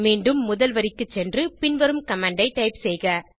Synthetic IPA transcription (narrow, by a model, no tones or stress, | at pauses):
meːɳɖɯmːʊðɐlʋɐɾɪkːɯt͡ʃːɛndrɯpɪnʋɐɾɯmkɐmaːɳɖɐɪʈːɐɪpsɛjɣɐ